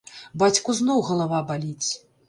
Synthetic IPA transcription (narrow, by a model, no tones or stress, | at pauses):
bat͡sʲkuznɔwɣɐlˠavabalʲit͡sʲ